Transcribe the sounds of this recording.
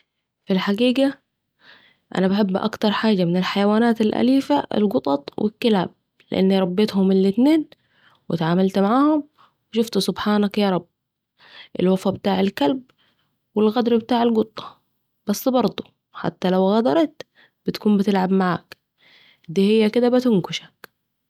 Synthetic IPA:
filħaɡiːɡa | ʔa̰nabaħɪbːʔa̰kt̪ɑɾˤħaːd͡ʒamɪnɪlħajawaːnaːt̪alʔa̰liːfaʔɪ̰lɡʊt̪ˤɑt̪ˤwɪ̰kːɪlʕa̰b̚ | lɪ̰ʔa̰nːiɾˤɑbːeːt̪hʊmɪlːɪt̪neːn | wɪt̪ʕaːmalt̪maʕaːhʊm | wɪʃʊft̪sʊbħaːnakjɑːɾˤɑbː | ʔɪ̰lwafabɪt̪aːʕalkalb̚ | wɪlɣɑd̪ɾˤbɪt̪aːʕalɡʊt̪ˤːɑ̥ | b̥asːbɑɾˤd̪ˤu̥ | ħa̰t̪ːalawɣɑd̪ɑɾˤɑt̪ | b̥ɪt̪ḁkuːmbɪt̪ɪlʕabmaʕa̰ːk | d̪iːhɪjːakɪd̪abat̪ɪŋkʊʃḁk

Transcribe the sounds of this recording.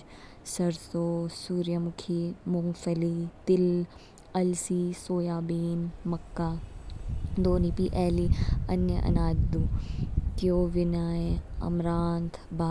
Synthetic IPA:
sɐɾsoːsuːɾjəmʊkʰimʊŋɡfɐlit̪ɪl | ɐlsiːsoːjaːbiːnmɐkːaː | d̪oːniːpiʔɛːliɐnjə̰ʔɐ̰naːd̪d̪uːk̪ioːʋɪnaːeɐ̰mɾaːnd̪baː

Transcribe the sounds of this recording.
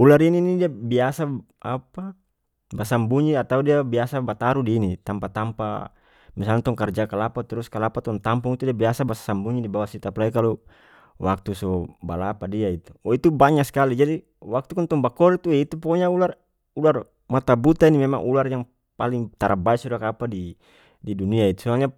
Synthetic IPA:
ularininidiabiasa | apa | basambuɲiat̪audiabiasabat̪aɾudiːnit̪ampat̪ampa̰ | misalŋt̪ɔŋkard͡ʒakalapat̪ɛɾuskalapat̪ɔŋt̪ampuŋit̪udiabiasabasḁsambuɲidibawasit̪aplaikalu | wak̚t̪usɔba̰lapadiait̪uɔit̪ubaɲakskalid͡ʒadi | wak̚t̪ukɔnt̪ɔŋbakɔɾit̪uɛit̪upɔɔɲaular | ular | mat̪abut̪ainimɛmaŋʔularjaŋ | paliŋt̪aɾʔa̰baɛsudakapadi | diduniait̪u̥sɔalɲa

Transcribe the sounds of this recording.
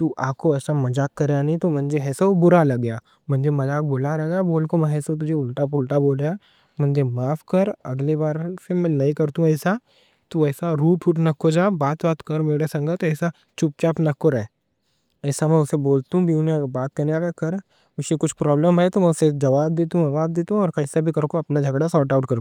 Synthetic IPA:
t̪uʔaːkoɛːsamɐd͡ʒaːkːɐɾejanɐĩt̪omɐ̃nd͡ʒeɦɛːsabʊɾalɐɡja | mɐ̃nd͡ʒemɐd͡ʒaːk̚bʊlalɐɡaboːlkomɛ̃ɦɛːsat̪̬ʊd͡ʒʱeʊlʈapʊlʈaboːlja | mɐ̃nd͡ʒemaːfʰkɐɾɐ̰ɡlebaːɾsemɛ̃nɐĩkɐɾt̪ũɛːsa | t̪oɛːsaɾuːʈʰuʈnɐkːod͡ʒaːbaːt̪baːt̪kɐɾmeːɽesɐ̃ŋɡət̪oɛːsa | t͡ʃʊp̚t͡ʃaːpnɐkːoɾɛ | ɛːsamɛ̃ʊseboːlt̪ũbʱiʊnẽbaːt̪̚kɐɾneaːɡakɐɾ | ʊʃjekʊt͡ʃʰpɾɔːbləmɦɛt̪omɛʊsed͡ʒɐʋaːbd̪eːt̪ũɐʋaːb̚d̪eːt̪ũɔːɾkɐsabʱikɐɾokoɐpnad͡ʒʱɐɡɽasɔːʈaːʊʈkɐɾ

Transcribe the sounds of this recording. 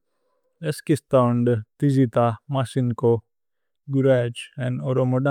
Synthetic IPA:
eskist̪aɳɖt̪izit̪amasinko | ɡuɾad͡ʒɛ̃noɾoməɖa

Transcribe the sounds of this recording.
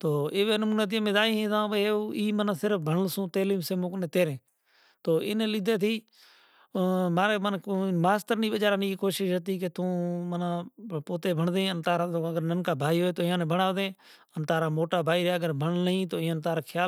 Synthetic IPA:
t̪oːɪʋeːnəmuːneːt̪̬imẽːd̪aːiːɦẽːt̪ãːʋeeːiːmənãːsɪɾəp̚ʰbʱəɳlsũːt̪eːliːmseːmõːkneːt̪eːɾẽː | t̪oːʔɪ̰nẽːlɪd̪eːt̪ʰiː | maːɾeːmənkomaːst̪əɾniːbəd͡ʒaːɾaːniːkoːʃɪʃət̪̬iːk̬et̪õːmənãːpoːt̪eːbʱəɳd̪ẽːənt̪aːɾaːoːəɡəɾnənkaːbʱaːiːɦoːeːt̪oːɪjãːnẽːbʱəɳaːʋd̪ẽː | ənt̪aːɾaːmoːʈaːbʱaːiːɾeːəɡəɾbʱəɳnəɦĩːt̪oːɪãːnt̪aːɾaːkʰjaː

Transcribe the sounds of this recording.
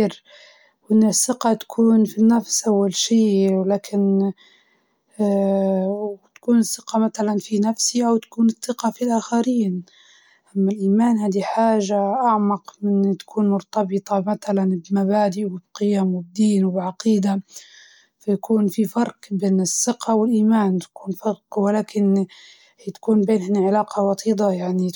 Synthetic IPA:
ɾ | wʔɪnːɪsːɪqat̪ḁkʰuːnfinːafsʔawːalʃiːwlaːkʰɪn | wt̪ḁkuːnɪsːɪqɑmat̪alanfinafsiʔawt̪ḁkuːnɨθːɨqɑfilʔaːxaɾiːn | ʔamːalʔɪlmaːnhaːd̪iħaːʒaʔaʕmɑqmɪnt̪ḁkʰuːnmʊɾt̪ɑbɨt̪ˤɑmat̪alanbmabaːd̪ɪʔwɪbqɪjamwɪb̚d̪iːnwɪbʕɑqiːd̪a | fajakuːnfifɑɾˤqbeːnɪsːɪqawɪlʔiːmaːnt̪ḁkuːnfɑɾqwɪlaːkɪn | hit̪ḁkuːnbeːnhɪnːiʕɪlaːqʰɑwɑt̪ˤiːd̪ˤɑjaʕni

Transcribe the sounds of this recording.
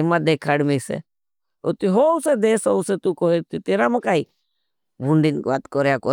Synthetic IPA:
emad̪eːkʰaːɽmeːsḛ | ot̪iɦoːʊsed̪eːsoːʊset̪ukoːiɾt̪it̪eːɾaməkaːi | buɳɖinkbaːt̪kɔɾjakɔ

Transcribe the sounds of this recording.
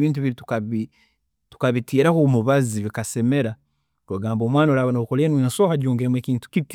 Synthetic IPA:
βiːnt̬uβiɾitu̥kaβi | tu̥kaβitiːɾakomuβaziβikase̞me̞ɾa | ɾwaɡaːmbo̞ːmwaːnaɾaːβanoukoleːnwsoːxaɟoːŋɡemweːkiːntu̥kit

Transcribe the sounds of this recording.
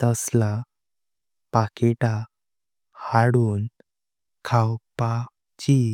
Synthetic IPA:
t̪əsla | pakeʈa | haɽuːn | kʰawpa | t͡ɕi

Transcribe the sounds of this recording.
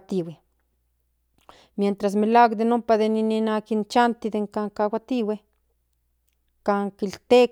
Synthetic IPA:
t̪iwe | mjent̪ɾas̬milakd̪enumpaðenininakint͡ʃant̪id̪eŋkaŋkawat̪iwe | kaŋkilt̪e

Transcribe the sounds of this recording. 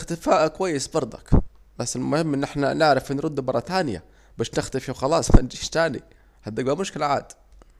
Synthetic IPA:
xt̪ɪfaːʔkwajːɪsbɑɾˤd̪ˤɑ̰k | basːɪlmʊhɪmːʔɪnːʔɪħnanɪʕɾɪfʔɪnːɾˤʊd̪ːmɑɾˤːɑt̪aːnɪja̰ | baːʃnɪxt̪ɪfiwxɑlɑːsˤmand͡ʒiːʃt̪aːnḭ | had̪ːaɡ̚bamʊʃkɪlʕaːd̪

